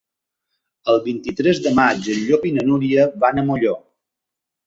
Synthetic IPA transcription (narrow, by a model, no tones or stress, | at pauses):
əlˠβint̪it̪ɾɛzd̪əmad͡ʒəʎoβinənuɾiəβanəmoʎo